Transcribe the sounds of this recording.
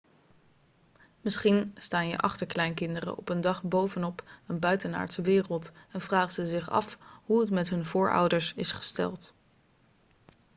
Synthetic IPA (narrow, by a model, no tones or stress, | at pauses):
mɪsχinstaːnjə̰ʔɑχtəɹklɛjnkɪndərə̰ʔɔpəndɑχbowvənɔpənbœɥtəna̰ːɹtsəʋɪːrəlˠtɛnvraːχtsəzɪχɑ̰fɦuətmɛtɦɵnvʊːɹʔɑ̰wdəɹsɪsχə̥stɛ̰lˠt